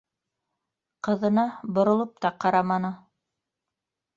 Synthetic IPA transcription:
qɤ̆ðɤ̆nɑbŏɾŏlˠɤp̚t̪ɑqɑɾɑmɑnɤ

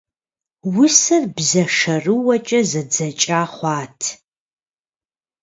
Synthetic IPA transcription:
wʊsɐrbzɐʂɐrɨwɐt͡ʃʼɐzɐd͡zɐt͡ʃʼaːχʷɑːtʰ

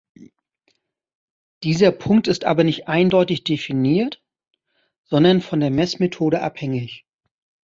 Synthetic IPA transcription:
d̥iːzɐpʰʊŋk̚tɪstʔa̰ːbɐnɪçtʔaɪndɔʏtɪçd̥efiniːɐt | z̥ɔndɐnfɔndeːɐmɛsmetʰoːɾəʔa̰phɛŋɪç

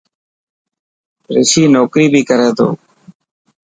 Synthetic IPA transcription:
ɾɪsiːnoːkɾiːbʱiːkəɾeːt̪o̰ː

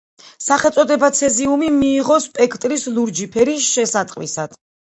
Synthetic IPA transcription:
saχɛlˠt̪sʼɔd̪ɛbat̪sʰɛziumimiːʁɔspʼɛkʰt̪ʼɾisluɾd͡ʒipʰɛɾisʃɛsat̪ʼqʼwḭsad̪̥ʰ

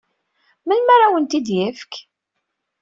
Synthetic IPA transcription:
mənmaɾawənt̪id̪jəfk

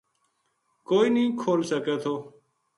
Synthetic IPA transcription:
koːiːnĩːkʰoːlsəkeːt̪ʰoː

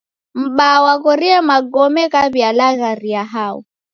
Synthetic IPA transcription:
m̩ɓawakɔɾiɛmaɡɔmɛkaβialaɣaɾiaɦaɔ̰

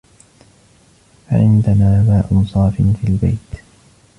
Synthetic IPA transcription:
fa̰ʕɪ̰nd̪anaːmaːʔʊnsˤɑːfɪnfiːlba̰jt̪

